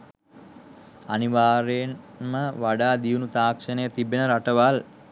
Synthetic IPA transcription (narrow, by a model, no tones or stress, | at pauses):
aniʋaːɾen | məʋaɖaːd̪iunut̪aːkʂənəjət̪ibenəɾaʈəʋal